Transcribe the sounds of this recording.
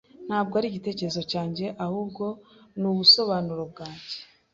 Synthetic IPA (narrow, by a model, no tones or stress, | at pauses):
n̥haːb̚ɡoaɾiɟite̞ːce̞ɾezo̞caːɲɟe̞ʔahuːbɡo̞nuβuso̞βaːnuɾo̞b̚ɡaːɲɟe